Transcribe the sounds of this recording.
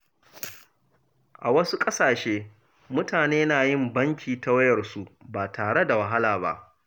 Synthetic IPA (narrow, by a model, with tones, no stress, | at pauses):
ʔa˨wɐ˦su˦kʼɐ˦saː˨ʃeː˦ | mʊ˦taː˨neː˦naː˨jɪ˦mbɐ˦ŋkʲʰiː˨ta˦wɐ˦jɐ˨rsu˦baː˨tʰaː˨ɽe˦da˨wɐ˨ɦa˦laː˨ba̰˦ʔ